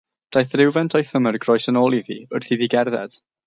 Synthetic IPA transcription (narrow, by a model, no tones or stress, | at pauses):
d̥ajθrɪwvɛntʰɔjθəmərɡrɔjsənoːlˠiðiʊrθiðiɡɛrðɛ̰d̥